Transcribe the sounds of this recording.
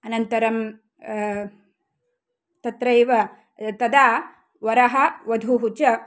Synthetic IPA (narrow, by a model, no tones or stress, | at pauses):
ɐnɐnt̪ɐɾɐm | t̪ɐt̪ɾɐjʋɐ | t̪ɐd̪aː | ʋɐɾɐɦɐʋɐd̪ʱuɦut͡ʃɐ